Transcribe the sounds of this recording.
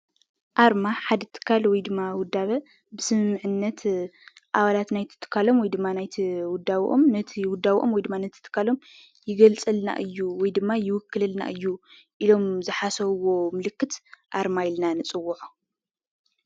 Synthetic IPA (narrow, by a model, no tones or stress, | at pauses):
ʔaɾmaħad̪ɐt̪ʰɨ̥kʰːalwɔjd̪ɨmːawʊd̪aβɐ | bɨsɨmɨmːɨʕɨnːɐt̪ʔaβalat̪najt̪ʰɨ̥t̪ʰːɨ̥kʰːalo̞mwɔjd̪ɨmːanajt̪ʰiwʊd̪aβʔo̰mnɐt̪ʰiwʊd̪ːaβʔomwɔjd̪ɨmːanɐt̪ʰi̥t̪ʰːɨ̥kʰːalo̞m | jɪɡɐlt͡sʼɨlna̰ʔɨjːuwɔjd̪ɨmːajɪwʊkːɨlɐlna̰ʔɨjːu | ʔilo̞mzɨħasɐβwo̞mɨlɨkːɨt̪ʔaɾmajlnanɨt͡sʼɨwːuʕu